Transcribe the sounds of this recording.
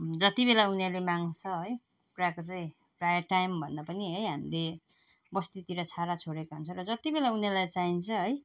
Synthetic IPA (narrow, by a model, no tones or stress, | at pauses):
d͡zʌt̪ibelaunelemaŋt͡sʰʌɦʌj | puɾakot͡saĩ | prajʌrʈajmbʱʌnd̪apʌniɦʌjɦamile | bʌst̪it̪iɾʌt͡sʰaɾat͡sʰoɽekaɦunt͡sʰʌɾʌd͡zʌt̪ibelaunelajt͡saɦint͡sʰʌɦʌj